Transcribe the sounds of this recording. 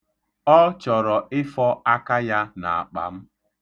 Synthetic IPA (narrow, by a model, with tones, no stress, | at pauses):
ɔ˦t͡ʃɔ˨ɾɔ˨ɪ˦fɔ˦a˦ka˦ja˦na˨a˨k͡pa̰˨m̩˦